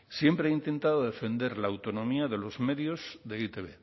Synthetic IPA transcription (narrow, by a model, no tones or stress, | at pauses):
sje̞mpɾeeint̪e̞nt̪aðoðe̞fẽ̞nd̪eɾlaːwt̪o̞nõ̞miaðe̞lo̞zme̞ðjozðeit̪eβḛ